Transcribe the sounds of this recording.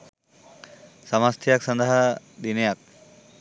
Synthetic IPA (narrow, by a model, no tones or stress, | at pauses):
sɐmast̪ʰijaksʌnd̪əɦa | d̪inejak̚